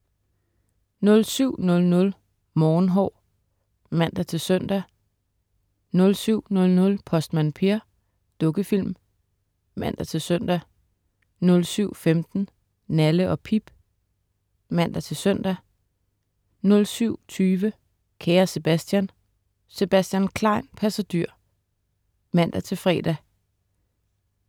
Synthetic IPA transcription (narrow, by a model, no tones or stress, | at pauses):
nɔ̽lsyʊ̰nɔ̽lnɔ̽l | mɒːnɦɒ | mæn̰d̥ɐt͡sʰe̝lsœn̰d̥æ | nɔ̽lsyʊ̰nɔ̽lnɔ̽lpʰɒ̽sd̥mænpʰeɐ | d̥ɔ̽ɡ̥əfil̰m | mæn̰d̥ɐt͡sʰe̝lsœn̰d̥æ | nɔ̽lsyʊ̰femd̥n̩ | næləʔɒ̽pʰib̥ | mæn̰d̥æt͡sʰe̝sœn̰d̥æ | nɔ̽lsyʊ̰t͡sʰyːʋə | kʰɛːɐse̝b̥æsd̥jæn | se̝b̥æsd̥jænkʰlɑ̈ɪnpʰæsæd̥yɐ̰ | mæn̰d̥æt͡sʰe̝lfʁɛ̰ːd̥æ